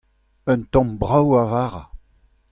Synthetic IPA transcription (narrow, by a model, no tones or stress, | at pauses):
œ̃nt̪ɔ̃mbʁawavaːʁa